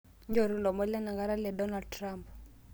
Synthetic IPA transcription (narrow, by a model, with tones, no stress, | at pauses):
ɲd͡ʒo˨ɾu˦lɔ˨mɔ˦lɛ˦na˨ŋɡa˦ɾa˦lɛ˨dɔ˦na˨ld̚tɾa˨mp